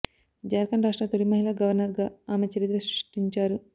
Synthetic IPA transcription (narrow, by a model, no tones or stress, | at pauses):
d͡ʒaːɾkɐnɾaːʂʈɾaːt̪olimɐɦilaːɡɐʋɐɾnɐɾɡaːaːmet͡ʃeɾid̪ɾɐsɾiʂʈiɲt͡ʃaːɾu